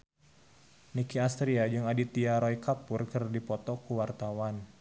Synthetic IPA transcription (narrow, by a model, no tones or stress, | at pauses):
nikiast̪ɾiad͡ʒɨŋadit̪iaɾɔjkapʊrkɨrdipɔt̪ɔkuwart̪awan